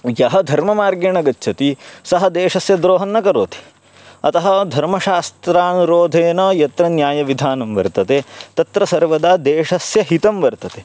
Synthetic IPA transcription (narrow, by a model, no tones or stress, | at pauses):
jɐɦɐd̪ʱɐɾmɐmaːɾɡɐɳɐɡɐtːʃʰɐt̪isɐɦɐd̪eːʂɐsjɐd̪ɾoːɦɐnːɐkɐɾoːt̪ʰi̥ | ɐt̪ɐɦɐ̆d̪ʱɐɾmɐʃaːst̪ɾaːnuɾoːd̪ʱeːnɐjɐt̪ɾɐnjaːjɐʋid̪ʱaːnɐmʋɐ̰ɾt̪ɐt̪et̪ɐt̪ɾɐsɐɾʋɐd̪ad̪eːʂɐsjɐɦit̪ɐmʋɐɾt̪ɐt̪e